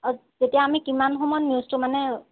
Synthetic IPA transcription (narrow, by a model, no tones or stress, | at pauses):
zetijaːmikimanɦomɔnmjustʊmanɛ